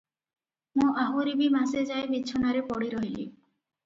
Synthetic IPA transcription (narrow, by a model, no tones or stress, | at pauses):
mũaɦuɾibimased͡ʒaebit͡ʃʰonaɾepɔɽiɾɔɦilḭ